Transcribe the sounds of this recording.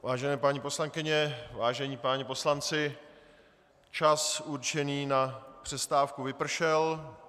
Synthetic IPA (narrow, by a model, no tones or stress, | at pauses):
vaːʒɛnɛːpaɲipo̞slaŋkɪɲɛvaːʒɛɲiːpaːɲɛpo̞slant͡sɪ | t͡ʃasuɾt͡ʃɛniːnapr̥ɛst̪aːfkuvɪpr̩ʃɛl